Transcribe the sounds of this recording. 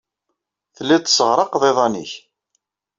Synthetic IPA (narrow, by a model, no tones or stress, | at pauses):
θəlːæt̪ːsəʁɾˤɑqðˤeðˤɑniç